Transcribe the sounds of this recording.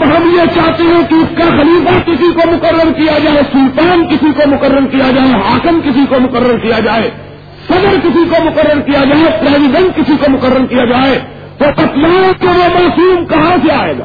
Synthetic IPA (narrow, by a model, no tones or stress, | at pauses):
ɦɐmjet͡ʃaːɦt̪eɦɛ̃kiʊskaxɐliːfakɪsikomʊkəɾːəɾkijad͡ʒaːesʊlt̪aːnkɪsikomʊkəɾːəɾkijad͡ʒaːeɦaːkəmkɪsikomʊkəɾːəɾkijad͡ʒaːeː | kɐɡəɾkɪsikomʊkəɾːəɾkijad͡ʒaːepɾeːzɪɖɛ̃nʈ̚kɪsikomʊkəɾːəɾkijad͡ʒaːe | t̪okɐt̪laːkeʋomaːsuːmkɐɦãseaːḛːɡa